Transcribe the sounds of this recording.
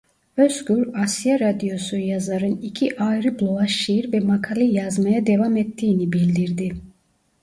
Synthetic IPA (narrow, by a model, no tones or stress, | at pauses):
øsɡyɾasjaɾad̪ijo̞sujazaɾɯnicʰiʔajɾɯblˠoaʃːijiɾvɛmakʰalˠijazmajad̪evamɛt̪ʰːiːnibilʲd̪iɾd̪ɪ